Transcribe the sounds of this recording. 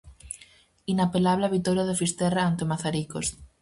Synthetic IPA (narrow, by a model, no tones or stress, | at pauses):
inapelaβleaβit̪oɾjaðefist̪eraant̪emaθaɾikos